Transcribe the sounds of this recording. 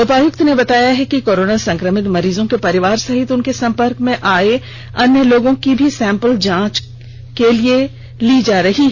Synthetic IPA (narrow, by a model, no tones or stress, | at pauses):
sʊpaːjʊk̚t̪nebɐt̪aːjaɦɛkikoːɾoːnasɐ̃ŋkɾəmɪt̪mɐɾiːzõkepɐɾɪʋaːɾsɐɦɪt̪ʊnkesɐ̃mpəɾkmẽʔaːe | ɐnjəloːɡõkibʱisɛ̃ːmpəld͡ʒãːt͡ʃ | kelie | lid͡ʒaːɾɐɦiɦɛ